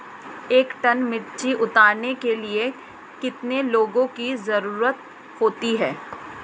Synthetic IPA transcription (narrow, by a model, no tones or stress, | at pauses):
eːkʈɐnmɪʈt͡ʃiʔʊt̪aːɾnekelie | kɪt̪neloːɡõkizɐɾuːɾət̪̚ | hoːt̪iɦɛː